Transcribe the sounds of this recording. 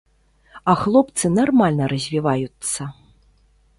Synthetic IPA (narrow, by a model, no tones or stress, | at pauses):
ɐxlˠɔpt̪sɨnarmalʲnɐɾɐzʲvʲivajut̪sːɐ